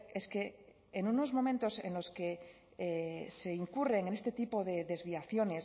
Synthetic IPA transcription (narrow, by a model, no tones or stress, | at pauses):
e̞ske̞ː | nuno̞zmo̞mẽnt̪o̞se̞̰nlo̞ske | ese̞iŋkure̞ŋene̞st̪e̞t̪ipo̞ð̞e̞ðe̞zβiaθjo̞ne̞s